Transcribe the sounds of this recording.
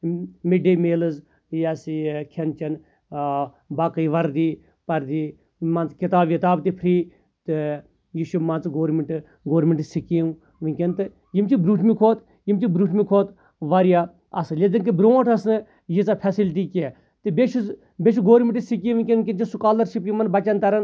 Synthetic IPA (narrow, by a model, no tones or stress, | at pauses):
miɖemeːlɨz | jaskʰent͡ʃɐn | baːkɐiʋɐɾd̪iː | pɐɾd̪iː | mant͡skit̪aːbjit̪aːbt̪ipʰɾiː | t̪ɨ | jiʃumaːnt͡sɡoːɾmeɳʈ | ɡoːɾmʲeɳʈɨsikiː | ʋiŋkʲent̪ɨ | jimt͡ʃibɾuːʈʰmikʰoːt̪ | jimt͡ʃibɾuːʈʰmikʰoːt̪ | ʋaːɾjaː | ɐsɨlʲed̪inkɨbɾõːʈʰɐsnɨ | jit͡sapʰɛsilʈ̬iːke | t̪ɨbeʃuz | bʲeʃuɡoːɾmʲeɳʈɨsik̬iʋiŋkʲenʲkʲɐnt͡ʃisukaːlɐɾʃipjimɐnbɐt͡ʃɐnt̪ɐɾɐn